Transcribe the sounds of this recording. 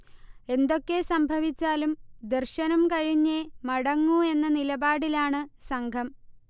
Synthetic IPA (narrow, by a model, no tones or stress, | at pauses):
e̞nd̪o̞kːe̞sɐmbʱɐʋit͡ɕːaːlumd̪erɕɐnɐmkɐɻiɲːemɐɽɐŋːue̞nːɐnilɐbaːɽilaːɳɨsɐŋɡʱɐm